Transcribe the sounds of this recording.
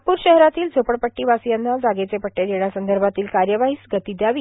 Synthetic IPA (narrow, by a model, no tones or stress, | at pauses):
puːɾɕɛɦɾat̪iːld͡zʱopəɽpəʈːiːʋasijanːad͡zaɡet͡sepəʈːed̪eɳjasənd̪ʱəɾbʱat̪iːlkaɾjəʋaɦiːsɡət̪id̪jaʋiː